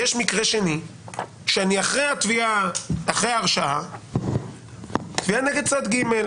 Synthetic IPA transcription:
jeʃmikʁe̞ʃe̞ni | ʃeaniaχʁejat̪viaaχʁejaaʁʃaa | t̪vianeɡed̪̚t͡sat̪ɡime̞l

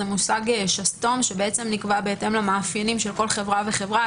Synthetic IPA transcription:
emusaɡeʃasto̞mʃe̞beet͡se̞mnikvabe̞ete̞mlamaːfjenimʃe̞lko̞lχe̞vʁave̞χe̞vʁa

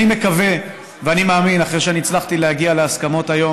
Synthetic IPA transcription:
ime̞kave̞ | veanimaːminaχʁeʃeaniːt͡slaχt̪ilehaɡialeaskamo̞tajo̞

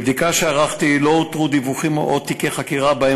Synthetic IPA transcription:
bd̪ikaʃeaʁaχt̪ilot̪ʁud̪ivuχimʔot̪ikeχakiʁabae

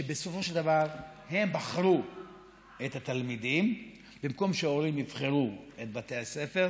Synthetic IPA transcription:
ebeso̞fo̞ʃeld̪avaʁhe̞mbaχʁu | ethat̪almid̪im | bimko̞mʃeaoʁimnivχe̞ʁuet̪̚bate̞ase̞fe̞ʁ

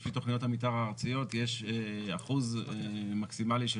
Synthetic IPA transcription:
fit̪o̞χnijothamit̬aʁaːʁt͡sijo̞tjeʃaχuzemaksimaliʃe

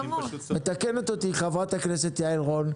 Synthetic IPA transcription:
me̞t̪akenot̪ot̪iχavʁat̪akneset̪jaelʁon

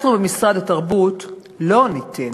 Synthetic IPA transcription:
tʁbemisʁad̪at̪ɐʁbut | lo̞nit̪ʰe

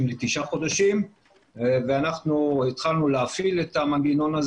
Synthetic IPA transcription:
mlet̪iʃaχo̞d̪aʃim | veanaχnuit̪χalnuleafilet̪amanɡino̞naz

